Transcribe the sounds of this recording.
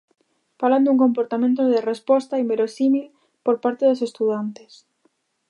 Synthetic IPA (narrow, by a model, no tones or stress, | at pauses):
faland̪uŋkompoɾt̪amẽnt̪̬oðerespɔst̪aimbeɾosimil | poɾpaɾt̪eðosest̪uðant̪e̥s